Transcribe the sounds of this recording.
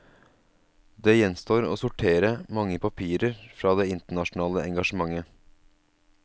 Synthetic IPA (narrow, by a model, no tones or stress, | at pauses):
d̪eːjɛnst̪oːɾo̰ːsʊʈʰeːɾəmɑŋːəpʰɑpʰiːɾəɾfɾɑːd̪eːɪnt̪əɳɑʃnɑːləʔɛŋɡɑʃəmɑŋːə